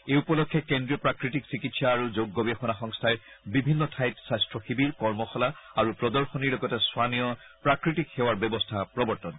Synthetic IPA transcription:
eupɔlɔkʰːɛkendɹiɔpɹakɹitiksikitsaːɹuzoɡːobexɔnaxɔŋstʰaɹ | bibʱinːɔtʰajtsajstɹɔxibiɹkɔɹmɔxɔlaaɹupɹɔdɔɹxɔniɹlɔɡɔtɛswanijɔ | pɹakɹitikxɛwaɹbjɔbɔstʰapɹɔbɔɹtɔn

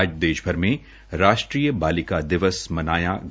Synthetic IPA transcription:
d͡ʒd̪eːʃbʱəɾmẽ | ɾaːʃʈɾiːjəbaːlɪkad̪ɪʋəsmɐnaːjaɡ

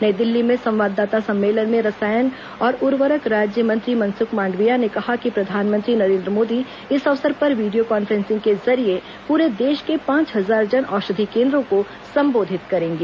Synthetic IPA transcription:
nɐd̪ɪlːimẽsɐ̃mʋaːd̪ːaːt̪asɐ̃mːeːlənmẽɾɐsaːjən | ɔːɾʊɾʋəɾəkɾaːd͡ʒjəmə̃nt̪ɾimɐ̃nsʊkmãːɳɖʋijanekɐɦakipɾɐd̪ʱaːnmə̃nt̪ɾinɐɾẽːnd̪ɾəmoːd̪i | ɪsɐʋsəɾpɐɾʋiːɖijokɔːnfɾɛ̃ːnsɪ̃ŋɡkezɐɾie | puːɾed̪eːʃkepãːt͡ʃɦɐzaːɾd͡ʒɐnʔɔːʃɐd̪ʱikẽːnd̪ɾõko | sɐ̃mboːd̪ʱɪt̪kɐɾẽːŋɡeː

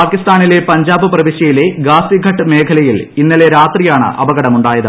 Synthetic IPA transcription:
paːkist̪aːnile̞pɐɲd͡ʑaːbɨprɐʋiɕjɐjile̞ɡaːsiɡʱɐʈːɨme̞ːkʰɐlɐjilinːɐle̞ɾaːt̪rijaːɳɨ̰ʔɐ̰bɐɣɐɽɐmuɳɖaːjɐðɨ̰

